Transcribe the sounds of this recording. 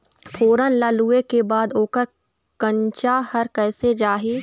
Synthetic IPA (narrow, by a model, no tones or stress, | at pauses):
pʰoːɾənlaːluːekebaːd̪oːkəɾ | kə̃ɲt͡ʃahɐɾkɛːsed͡ʒaːɦeː